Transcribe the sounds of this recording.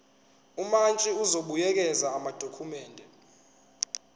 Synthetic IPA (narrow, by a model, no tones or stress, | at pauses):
umant͡ʃʼiuzoɓujɛk̬ɛzaːmad̥ʱokʰumɛːndʱɛ